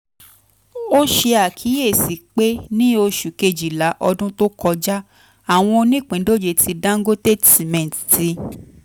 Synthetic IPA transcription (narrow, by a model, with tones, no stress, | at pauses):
o˦ʃe˧a˨kʰi˨˦je˦˨si˨k͡pe˦nĩ˦o˧ʃu˨ke˧d͡ʒi˨la˨˦ʔɔ˧dũ˦to˦kʰɔ˧d͡ʒa˦ | a˦˨w̃ɔ̃˧nĩ˦˨k͡pĩ˨˦do˦d͡ʒe˧tʰi˧dã˦ŋ̩˦ɡo˦ste˦ti˨mɛ̃˨tti˧